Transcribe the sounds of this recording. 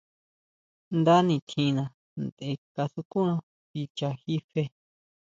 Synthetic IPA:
nd̪a˦nĩ˧˨t̪ʰĩ˧nã˧ | nd̪e˧ka˧su˧ku˦nã˧ | βi˧t͡ʃa˧xi˦fe˦

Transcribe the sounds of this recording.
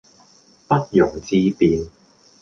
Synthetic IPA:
pɐ˥t̚jʊ˨˩ŋt͡siː˧piː˨˧n

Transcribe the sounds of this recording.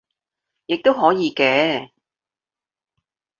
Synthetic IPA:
jɪ˨k̚t̪o˥wɦɔː˨˥jiː˨˧kɛː˧

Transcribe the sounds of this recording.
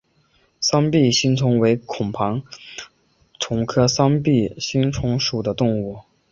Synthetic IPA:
sɑ˥ŋpi˥˩ɕi˥ŋt͡sʰʊ˧˥ŋwe˧˥ɪkʰʊ˨˩ŋpʰɑ˧˥ŋ | t͡sʰʊ˧˥ŋkʰɤ˥sɑ˥ŋpi˥˩ɕi˥nt͡sʰʊ˧˥ŋʂu˨˩d̪ə˦t̪ʊ˥˧ŋu˥˩

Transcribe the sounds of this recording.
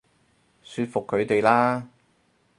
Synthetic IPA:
syː˧t̚fʊ˨kʰːɵ˨˧ɥt̪e˨jlaː˥

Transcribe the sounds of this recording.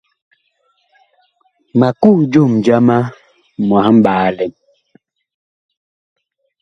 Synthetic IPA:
ma˨ku˦˨d͡ʒo˦˨md͡ʒa˦ma˦ | mwa˨˦m̩˦ɓaː˨˦lɛ˨m

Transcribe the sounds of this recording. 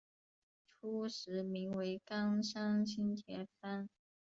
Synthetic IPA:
ʈ͡ʂʰu˥ʂɻ̩˧˥mi˧˥ŋwe˧˥ɪkɑ˥ŋʂɑ˥ŋt͡ɕʰi˥nt̪ʰjɛ˧˥fʰa˥n

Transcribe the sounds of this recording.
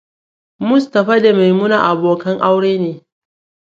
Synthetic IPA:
mʊ˦stɐ˨ɸa˦da˨ma˨jmʊ˦naː˨ʔa˨boː˨kɐ˦ŋʔa˦wɽeː˦neː˨

